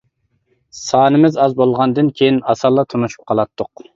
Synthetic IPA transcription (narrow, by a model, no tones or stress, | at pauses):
sɑːnɨmɪzɑzbolˠʁɑnd̪ɨnkʲʰejinɑsɑlˠːɑt̪ʰonuʃu̥p̚qʰɑlˠɑt̪ʰːʊq